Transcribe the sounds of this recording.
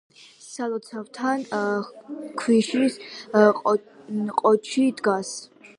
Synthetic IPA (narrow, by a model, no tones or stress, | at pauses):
salɔt̪sʰavt̪ʰan | kʰwiʃisʼ | qʼɔt͡ʃʰid̪ɡas